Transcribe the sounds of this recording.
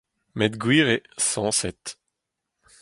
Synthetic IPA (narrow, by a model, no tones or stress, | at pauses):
mɛt̪ɡwiːʁesɑ̃ːsɛt̪